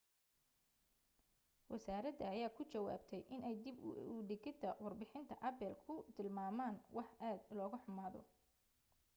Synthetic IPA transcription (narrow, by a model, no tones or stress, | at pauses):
wʔɐsaːɾɐd̪ɐːjaːkʰʊt͡ʃɐwa̰ːbt̪ʰɛjʔɪnɛjd̪ɪbʊɖɪɡɪd̪ʰɐwɑrbɪħɪnt̪ʰɐʔɐbɛlkʰʊt̪ʰɪlmaːmaːnwɑħʔaːd̪lɔːɣʊħʊmaːðɔ̰